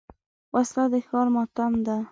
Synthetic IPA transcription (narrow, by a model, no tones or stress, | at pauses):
wʔaslad̪exɑɾmɑt̪amd̪a